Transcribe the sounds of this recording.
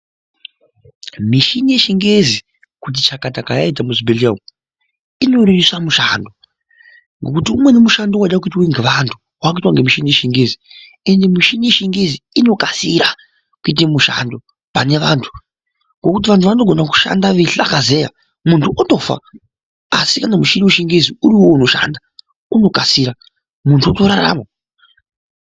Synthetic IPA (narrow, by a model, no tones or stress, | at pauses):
miʃinije̞ʃiŋɡezi | kut̬it͡ʃakatakajait̬amuzibeliam | ino̞ɾujisamuʃando̞ | ŋɡe̞kutiumwe̞nemuʃandowaɗak̬uitwaiŋɡe̞ʋantʰu | wakoitwaŋɡemiʃinije̞ʃiŋɡezi | e̞nde̞miʃinije̞ʃiŋɡeziino̞kasiɾa | kuit̬emuʃa̰ndo | pane̞ʋantʰu̥ | ŋɡo̞kut̬iʋantʰuʋano̞ɡʱo̞naku̥ʃa̰ndaʋiɬakaze̞ja̰ | muntʰuʔoto̞fa̰ | a̰sikanamuʃinimuʃiŋɡeziuɾiwo̞uno̞ʃa̰nda | uno̞kasiːɾa | muntʰuotoɾaɾa̰mo